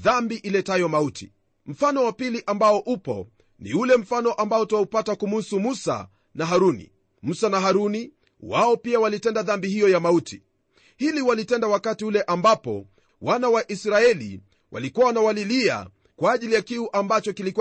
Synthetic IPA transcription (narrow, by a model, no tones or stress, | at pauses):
ðambiʔilɛtajɔmautʰḭ | m̩fanɔwapiliʔambaɔʔupɔ̰ | nḭulɛm̩fanɔʔambaɔtaupatakumusumusa̰ | naɦaɾunḭ | musanaɦaɾuni | waɔpiawalitɛndaðambihijɔjamautʰi | hiliwalitɛndawakatiulɛʔambapɔ̰ | wanawaʔisɾaɛlḭ | wʔa̰likuawnawalilia̰ | kwaːʄilijakiuʔambat͡ʃɔkiliku